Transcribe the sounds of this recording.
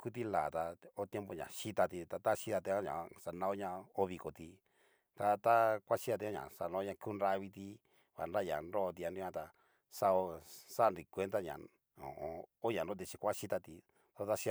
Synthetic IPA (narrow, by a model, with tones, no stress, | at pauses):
ku˦t̪̬i˦la̰˨t̪a˧o˦t̪je˦mpo˧ɲã̰˨ʃi˦t̪a˧t̪i˧t̪a˧t̪a˦ʃi˦˧ða˧t̪e˧˦ã˦ɲã̰˨sa˧nã˧˦o˦ɲã˧o˦βi˧ko˨t̪i˧ | t̪a˧t̪a˦kʷa˦ʃi˦ða˧t̪ẽ˧˦ã˦ɲã̰˨sa̰˧nã˧o˦ɲã˧ku˦nɾa˧βi˧t̪i˧ | βa̰˨nɾa˦˧jã̰˨nɾo˦˧t̪̬i˧a˧ɾi˦ã˧t̪a˧ | sa˧o˧sa˦˧nɾi˨kʷe˧˦nt̪a˦ɲã̰˨ | õ̰˨ʔõ̰˧o˦ɲã˨nɾõ˦t̪i˧t͡ʃi˧kʷa˦ʃi˦t̪a˧t̪i˧ | t̪a˧t̪a˦ʃi˧